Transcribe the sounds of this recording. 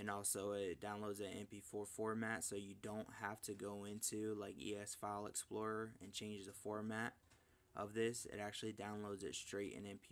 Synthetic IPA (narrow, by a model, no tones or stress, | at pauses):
ɨ̃nɔlˠsoʊɪt̚d̥ãʊ̃nloʊdzɨ̃nɛ̰̃npifɔɹfɔɹmætsoʊjɨdõʊ̃nthæftʰɨɡoʊɪ̃ntʰʉlaɪkḭɛsfaɪlˠə̰ksplɔɹə˞ɨ̃nt͡ʃʰẽɪ̃nd͡ʒðəfɔɹmæɾ | ʔʌ̰vðɪsɪ̰ɾæk̚t͡ʃʉl̩ˠidãʊ̃nloʊdzɨ̰tstɹ̥eɪɾɨ̰̃nɛ̃npʰi